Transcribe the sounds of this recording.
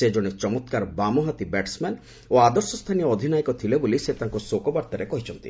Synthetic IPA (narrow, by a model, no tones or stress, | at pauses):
ed͡ʒɔɽ̃it͡ʃɔmɔt̪kaɾbamɔɦat̪ibɛʈsman | oad̪ɔɾsɔst̪ʰanijɔːd̪ʱinaikɔt̪ʰileboliset̪aŋkusokɔbaɾt̪aɾekɔɦit͡ʃʰɔnt̪ḭ